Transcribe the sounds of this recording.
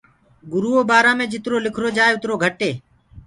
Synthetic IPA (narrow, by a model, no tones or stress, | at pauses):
ɡʊɾuːoːbaːɾãːmẽːd͡ʒɪt̪ɾoːlɪkʰɾoːd͡ʒaːeːʊt̪ɾoːɡʱəʈeː